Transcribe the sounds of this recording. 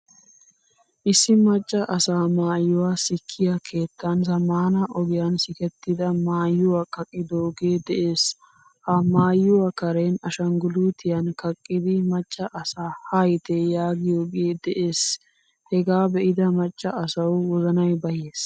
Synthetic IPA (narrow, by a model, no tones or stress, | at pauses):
ʔɪsːɪmɐt͡ʃʼːɐʔɐsaːmaːjːʊwasɪkʰːɪjɐkʰe̞ːt̪ːɐnzɐmːaːnɐʔɔɡɪjɐnsɪkɛt̪ːɪd̪ɐmaːjːʊwɐkɐkʼːɪd̪oːɡe̞ːd̪ɛʔeːs | hɐmaːjːʊwɐkɐɾeːnɐʃɐŋɡʊluːt̪ʰɪjɐnkɐkʼːɪd̪ɪmɐt͡ʃʼːɐʔɐsaːhɐjt̪ejaːɡɪjoːɡeːd̪ɛʔe̞ːs | hɛɡaːbɛʔɪd̪ɐmɐt͡ʃʼːɐʔɐsɐwwɔzɐnɐjbɐjeːs